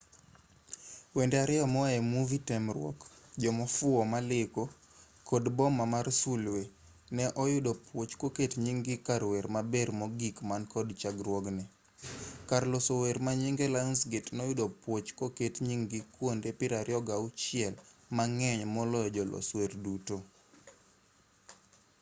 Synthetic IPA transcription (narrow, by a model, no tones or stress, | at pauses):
wendeaɾɪɔmɔɛmuvitɛmrwɔ̰kd͡ʒɔmɔfʊɔmalɪko | kʰɔdbɔmamarsulwe | nɛʔɔjʊdopwot͡ʃkoketɲiŋɡɪkaɾweɾmabeɾmɔɡikmankɔdt͡ʃaɡɾwɔɡnɛ | karlɔsoweɾmaɲiŋɡelansɡetnɔjʊdopwot͡ʃkoketɲiŋɡikwondepɪɾaɾjɔɡaʊt͡ʃɪɛlmaŋɛɲmɔlɔjɔd͡ʒɔlʔɔ̰swerduto